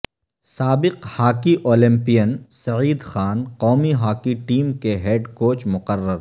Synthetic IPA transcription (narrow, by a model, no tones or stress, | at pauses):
saːbɪqhaːkiʔoːlɪ̃mpijənsɐʕiːd̪xaːnqɔːmiɦaːkiʈiːmkeɦeːɖkoːt͡ʃmʊqərːəɾ